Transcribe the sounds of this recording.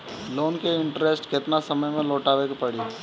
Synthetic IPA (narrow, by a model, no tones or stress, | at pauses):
loːnkeɪ̃ɳʈɾesʈkɪt̪nasəməjmẽloːʈaːʋekpɐɽiː